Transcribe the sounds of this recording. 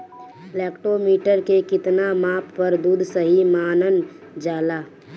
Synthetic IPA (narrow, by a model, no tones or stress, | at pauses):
lɛːkʈoːmiːʈəɾkekɪt̪namaːpːəɾd̪uːd̪ʱsəɦimaːnən | d͡ʒaːlaː